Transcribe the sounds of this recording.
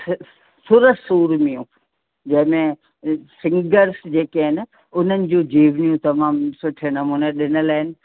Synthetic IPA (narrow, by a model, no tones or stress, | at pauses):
sʊɾəsuːɾmijũ | d͡ʑɐ̃ɦɪ̃mẽ | sɪ̃ŋɡəɾsd͡ʑeːkeɦɪn | ʊn̤ənɪ̆d͡ʑũːd͡ʑiːʋnijũt̪ɐmaːmsʊʈʰenɐmuːneɗɪnə̆laːɦɪnɪ̆